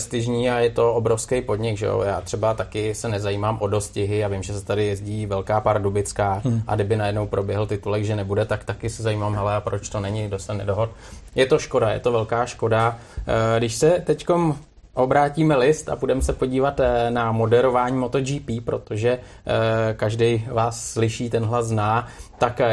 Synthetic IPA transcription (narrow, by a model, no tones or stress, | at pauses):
st̪ɪʒɲiːajɛt̪o̞obɾo̞fskɛjpo̞dɲɪɡʒɛ̰o̰ja̰ːt̪r̥ɛbat̪akɪsɛnɛzajiːmaːmʔo̞do̞scɪɦɪavɪmʒɛsɛ̥t̪adɪjɛzɟiːvɛlkaːpaɾdubɪt͡skaːʔa̰ɡdɪbɪnajɛdnowpɾo̞bjɛɦl̩t̪ɪt̪ulɛɡʒɛnɛbudɛt̪akt̪akɪsɛzajiːmaːmɦɛlɛapɾot͡ʃt̪o̞nɛɲɪɡdost̪ɛnɛ̰doɦot̪ | jɛt̪o̞ʃko̞dajɛ̰t̪o̞vɛlkaːʃko̞da | ɡdɪʃsɛt̪ɛcko̞m | ʔo̞bɾaːciːmɛlɪst̪a̰budɛmɛsɛpo̞ɟiːvat̪namo̞dɛɾo̞vaːɲiːmo̞t̪o̞d͡ʒiːpiːpɾo̞t̪o̞ʒɛ | kaʒdɛjvaːsːlɪʃiːt̪ɛnɦlaznaːt̪ak